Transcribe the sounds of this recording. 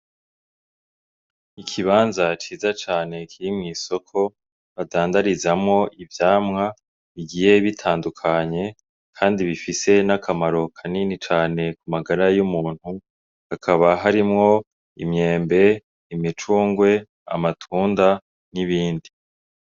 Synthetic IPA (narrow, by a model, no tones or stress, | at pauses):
ikʰiβaːnzat͡ʃiːzat͡ʃaːne̞kʰiɾimŋiːso̞kʰo̞ | βadaːndaɾizamŋo̞ʔivjaːmŋa | βiɡije̞βitʰaːndukʰaɲe̞ | kʰaːndiβifise̞nakʰamaɾo̞kʰaninit͡ʃaːne̞kumaɡaɾajumuːn̥hu | hakʰaβaɦaɾimŋo̞ | ḭmɲe̞ːmbe̞ | imit͡ʃuːŋɡwe̞ | a̰matʰuːnda | niβiːndi